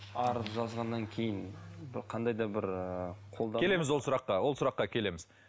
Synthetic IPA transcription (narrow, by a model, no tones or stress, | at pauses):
ɑɾəzʒɑzʁɑnːɑŋkʲʰe̞jɪnbɪqʰɑnd̪ɑjd̪ɑbɪɾqʰo̞lˠd̪ɑe̞le̞mɪzwolsʊɾɑqːɑwo̞lˠsʊɾɑqːɑkʲʰe̞le̞mɪz̥